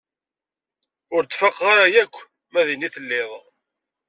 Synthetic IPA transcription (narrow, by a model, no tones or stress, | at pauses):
ʊɾd̪fɑqːaɾajækʷː | mæðiniθəlːɪðˤ